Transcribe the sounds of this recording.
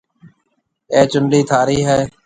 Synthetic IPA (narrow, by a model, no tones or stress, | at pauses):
eːt͡ʃʊɳɖiːt̪ʰaːɾiːɦɛː